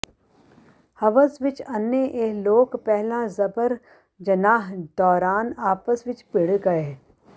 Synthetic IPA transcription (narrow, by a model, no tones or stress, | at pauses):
hɐʋəsʋɪt͡ʃɐnjəʔeːloːkpɛɦlãzɐbəɾ | d͡ʒɐnaːɦd̪ɔːɾaːnaːpəsʋɪt͡ʃpɪɽɡɐeː